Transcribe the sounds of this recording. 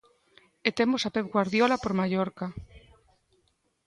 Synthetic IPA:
et̪emosapep̚ɡwaɾðjolapoɾmaʝoɾka

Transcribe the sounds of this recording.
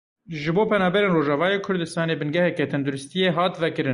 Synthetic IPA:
ʒɨboːpʰɛnɑːbɛɾeːnroːʒɑvɑːjeːkʰʊɾd̪ɨst̪ɑːneːbɨnɡɛhɛkɛt̪ʰɛnd̪ʊɾʊst̪ijeɦɑːt̪vɛkɨɾɨ

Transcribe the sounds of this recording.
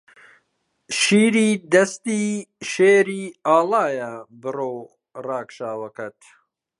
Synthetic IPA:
ʃiːɾiːd̪ɐst̪iːʃeːɾiːaːlaːjɐbɨrow | raːkʃaːwɐkɐt̪

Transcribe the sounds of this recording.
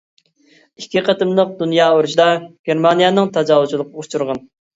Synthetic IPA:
ikʲːiqʰət̪ɨmlˠəq̚d̪unjɑːoɾuʃid̪ɑɡ̥ʲeɾmɑnijɑnɨŋt̪ʰɑd͡ʒɑːwut͡ʃʰulˠəqʰəut͡ʃʰuɾʁɑn

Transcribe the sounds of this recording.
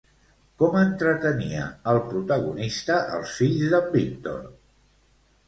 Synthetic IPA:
kɔmənt̪ɾət̪əniə̰əlˠpɾut̪əɣunist̪əʔə̰lˠsfiʎzðəlbiŋt̪o̰n

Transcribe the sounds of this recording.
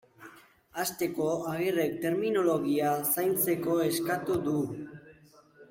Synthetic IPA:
ast̪e̞ko̞aɣire̞k̚t̪e̞ɾmino̞lo̞ɣiasajnt͡se̞ko̞e̞skat̪ud̪u

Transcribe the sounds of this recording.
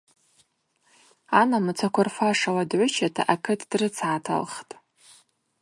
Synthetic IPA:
anamɨt͡sʰakʷʰarfaʂaladʕʷʊt͡ʃʰatʰa̰ʔakʰɨtʰd̥rɨt͡sʰaːtʰa̰lχtʼ

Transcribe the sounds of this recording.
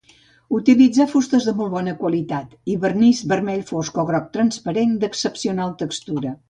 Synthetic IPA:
ut̪ilid͡zafust̪əzðəmɔlˠβɔnəkwəlit̪at̪iβərnizbərmɛʎfoskɔɣɾɔk̚t̪ɾənspəɾend̪əksəpsiunalˠt̪əkst̪uɾə

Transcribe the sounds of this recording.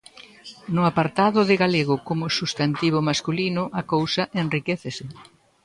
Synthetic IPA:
nʊapaɾt̪aðʊðɪɣaleɣʊkomʊsust̪ant̪iβʊmaskulinʊʔakowsɐʔenrikeθesɪ

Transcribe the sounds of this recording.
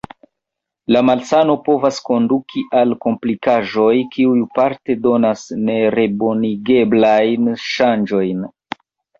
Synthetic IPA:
lamalsano̞po̞vasko̞ndukʰiʔalko̞mplikaʒo̞jkʰiujupaɾte̞do̞nasne̞ɾe̞boniɡe̞blajnʃand͡ʒo̞jn

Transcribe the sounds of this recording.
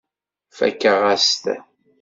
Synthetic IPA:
fæ̰kːəʁæst̪

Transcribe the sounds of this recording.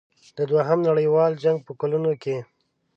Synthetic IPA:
d̪̥əd̪waɦamnaɽəjwɑld͡ʒaŋɡ̚pəkalunoke

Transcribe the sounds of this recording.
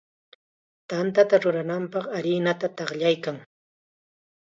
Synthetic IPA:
t̪ant̪at̪aɾʊɾanampɑχaɾɪnat̪at̪ɑχʎajkaŋ

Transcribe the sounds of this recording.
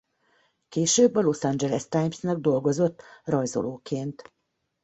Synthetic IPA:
keːʃøːbːɒlo̞sɑnd͡ʒɛlɛst̪ajmsnɛɡ̚d̪o̞lɡo̞zo̞t̪ːrɒjzo̰loːkeːnt̪

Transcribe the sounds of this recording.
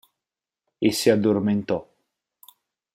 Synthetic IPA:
esːiad̪ːorment̪ɔ

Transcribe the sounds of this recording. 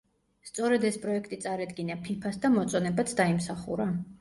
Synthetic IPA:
st̪sʼɔɾɛd̪ɛspʼɾɔɛkʰt̪ʼit̪sʼaɾad̪ɡinapʰipʰasd̪amɔt̪sʼɔnɛbat̪sʰd̪aimsaχṵɾa

